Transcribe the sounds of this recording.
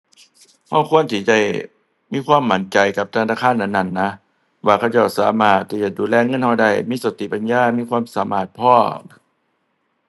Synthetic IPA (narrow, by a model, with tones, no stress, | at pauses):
ha˧˩wkʰu˧˥˨ənt̪ʰiː˧˩t͡ɕa˧˩j | miː˧˥˨kʰwaː˧˥˨mːa˨˧˦nt͡ɕa˨jka˧˦p̚t̪ʰa˧naː˧˩kʰaː˧˥˨nːʔa˧˩nːa˧˩˨nːa˧˥ | waː˧˩kʰa˧˩˨t͡ɕa˧˩wsaː˨˦maː˧˩t̪ʰːiː˧˩t͡ɕa˨˧˩duː˨˦lɛː˧˨ŋɤ˧˥˨nha˧˩wda˧˩jmiː˧˥˨sa˨˦t̪ʰi˨pa˧˨njaː˧˨miː˧˥˨kʰwaː˧˥˨msaː˨˦maː˧˩t̪̚pʰɔː˧˩